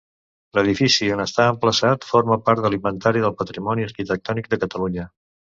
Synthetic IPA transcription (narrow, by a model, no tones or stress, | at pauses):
ləð̞ifisiənəst̪aəmpləsat̪foɾməpaɾt̪̚ðəlimbənt̪aɾiðəlˠpət̪ɾimɔniəɾkit̪ək̚t̪ɔnik̚d̪əkət̪əluɲə